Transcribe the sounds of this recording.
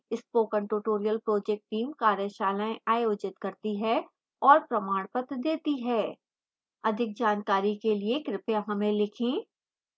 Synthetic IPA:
ɪspoːkə̃ɳʈoːʈoːɾijəlpɾoːd͡ʒɛk̚ʈːiːmkaːɾjəʃaːlaẽʔaːjoːd͡ʒɪt̪kɐɾt̪iɦɛ | ɔːɾpɾɐmaːɽ̃pət̪d̪eːt̪iɦɛː | ɐd̪ʱɪk̚d͡ʒaːnkaːɾikeliekɾɪpjaɦɐmẽlɪkʰẽː

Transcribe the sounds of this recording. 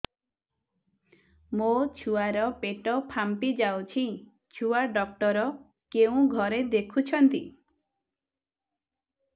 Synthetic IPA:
mot͡ʃʰuaɾɔpeʈɔpʰampid͡ʒawt͡ʃʰĩ | t͡ʃʰuaɖɔk̚ʈɔɾɔ | keũɡʱɔɾed̪ekʰut͡ʃʰɔnt̪i

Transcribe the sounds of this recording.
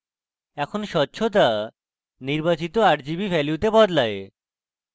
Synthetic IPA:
ɛkʰonʃɔtːɕʰot̪̬a | niɾbat͡ɕit̪oaɾd͡ʑibifɛliwt̪ebɔd̪lae

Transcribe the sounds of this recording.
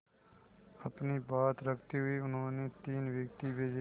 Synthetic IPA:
ɐpnibaːt̪ɾəkʰt̪iɦʊiʊnɦõːnet̪iːnʋjəkt̪ibeːd͡ʒ

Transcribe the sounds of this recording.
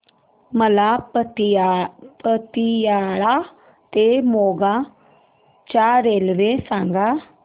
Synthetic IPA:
məla | pət̪ijaːɭa | t̪emoːɡa | t͡ʃaːɾeːlʋesãːŋɡa

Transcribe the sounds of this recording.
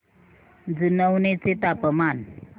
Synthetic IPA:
d͡zunəwnet͡set̪apəman

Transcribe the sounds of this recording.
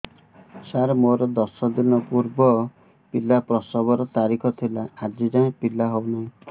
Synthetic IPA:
saɾmoɾɔd̪ɔsɔd̪inɔpuɾbɔ | pilapɾɔsɔbɔɾɔt̪aɾikʰɔt̪ʰilaːd͡ʒid͡ʒaẽpilaɦownaɦĩ

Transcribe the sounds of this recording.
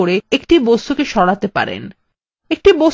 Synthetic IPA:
oɾeekʈibost̪ukeʃɔɽat̪epa̰ɾḛn | ek̚ʈibo

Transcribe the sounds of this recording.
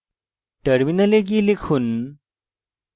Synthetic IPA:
ʈəɾminəlek̬ilikʰuːn

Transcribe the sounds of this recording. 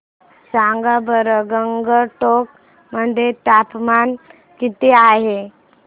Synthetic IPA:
saŋɡabəɾəɡəŋɡəʈok̚ | məɳd͡ʑet̪apman | kit̪eaɦe

